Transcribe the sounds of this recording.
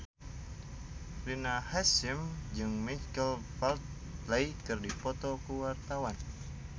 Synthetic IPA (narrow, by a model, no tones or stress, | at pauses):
linahasimd͡ʒɨŋmikəlpalt̪̚ | lajkɨrdipɔt̪ɔkuwart̪awan